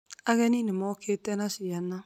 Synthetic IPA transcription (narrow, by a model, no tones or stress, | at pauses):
aɣɛninɪmɔkʰetɛnasɪjana